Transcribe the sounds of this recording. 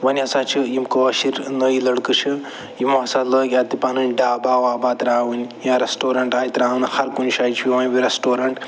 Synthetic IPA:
ʋɐnʲɐsaːt͡ʃʰɨjimkəʃiɾnəilɐɽkɨt͡ʃʰɨ | jimaːsaːt̪ləːɡʲaːt̪ipanɨnʲɖaːbaːʋaːbaːt̪ɾaːwɨnʲjãːɾɐsʈoːɾɐɳʈaːjit̪ɾaːwɨnhɐɾkunʃaːit͡ʃʰwiʋãːnʲbiɾɐsʈoːɾɐɳʈ

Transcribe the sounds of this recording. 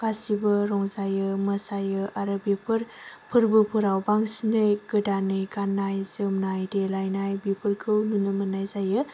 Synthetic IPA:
ɡ̥asibɯɾɔŋzajɯməsajɯʔaɾɯbipʰɯɾpʰɯɾbɯpʰɯɾawbaŋsinɯjɡɯdanɯjɡanːajzɯmnajdelajnajbipʰɯɾkʰɯwnunɯmənajzajɯ

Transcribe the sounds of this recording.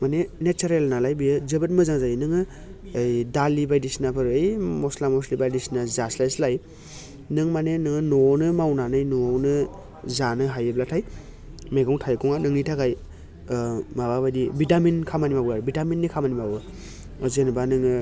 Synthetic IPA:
manenet͡ʃaɾelnalajbijɯzɯbɯt̚mɯzaŋzajnɯŋɯ | jdalibajdisnapʰɯɾɯejmɔslamɔslibadisnazaslajslaj | nɯŋmanenɯŋɯnɔnɯmawnanɯjnɔnɯ | zanɯɦajɯblatʰaj | meɡɔŋtʰajkɔŋanɯŋnitʰakaj | mababajdibitaminkʰamanimawaɾbitaminːikʰamanimawɯ | zenɯbanɯŋɯ

